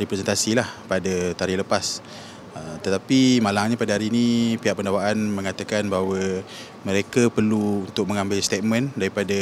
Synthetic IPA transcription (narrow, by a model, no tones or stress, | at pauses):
ɾipɾɛsɛnt̪asilahpadət̪aɾiləpas | ət̪ət̪apimalaŋɲapadəɦaɾiːnipiɦaʔpəndawaʔanmə̃ŋat̪akanbaɦwə | mə̃ɾekəpərluunt̪ʊk̚mə̃ŋãmbɪlst̪et̪̚mə̃ndaɾipada